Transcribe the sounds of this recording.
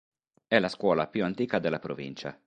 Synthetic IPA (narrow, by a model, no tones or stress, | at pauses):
ɛlaskwɔːlapjuant̪iːkad̪elːapɾovḭnt͡ʃa̰